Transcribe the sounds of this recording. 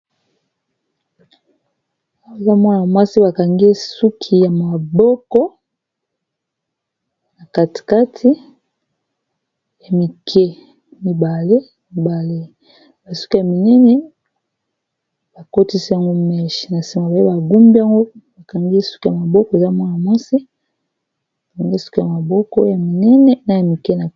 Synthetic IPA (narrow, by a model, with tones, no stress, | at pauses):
a˦ŋɡo˦e˨za˦mɔ˦n˨a˨mwa˦si˦ba˨ka˨ŋɡe˦su˦kʰi˨ja˨ma˨bɔ˦kɔ˦ | na˨ka˨ti̥˨ka˦tʰi˦ | ja˨mi˨kʰe˦ | mi˨ba˨le˦ | mi˨ba˨le˦ | ba˨su̥˦ku˦ja˨mi˨nɛ˦nɛ˦ | ba˨ko˦ti˦si˦a˨ŋɡo˦mɛ˦ʃi̥˨na˨si˨ma˨ba˨i˦ba˨ɡu˦mbi˦a˦ŋɡo˦ba˨ka˨ŋɡi˦su̥˦ku˦ja˨ma˨bɔ˦kɔ˦e˨za˦mwa˦n˨a˨mwa˦si˦˨ | ŋɡi˦˨si̥˦ko˦ja˨ma˨bɔ˦kɔ˦ja˨mi˨nɛ˦nɛ˦na˦ja˨mi˨kɛ˦na˨